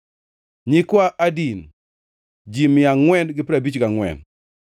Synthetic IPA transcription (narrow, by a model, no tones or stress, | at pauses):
ɲikwaʔadin | d͡ʒimɪjaŋwɛnɡɪpiɾabit͡ʃɡaŋwɛ̰n